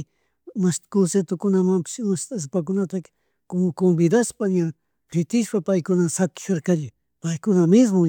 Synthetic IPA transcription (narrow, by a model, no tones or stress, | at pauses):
mast̪koset̪okʊnamampɪ̥ʃmast̪as̬pak̬ʊnat̪ak | kombɪd̪aspaɲa | pʰɪt̪ɪʃpapajkʊnasakɪ̥ʃoɾkaʎɪ | pajkʊnamɪs̬mʊ